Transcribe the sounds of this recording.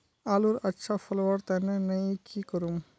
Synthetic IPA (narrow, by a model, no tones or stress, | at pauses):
aːluɾɐtːʃʰafɐlwəɾt̪ɛːnenɐĩkikəɾum